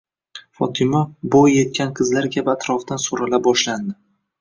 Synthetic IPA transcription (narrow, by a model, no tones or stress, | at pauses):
fɒt̪ʰɪmabojːe̞t̪̚kʲʰanqʰɨzlaɾkʲabat̪ʰɾɒfd̪ansoɾalabɒʃland̪ɪ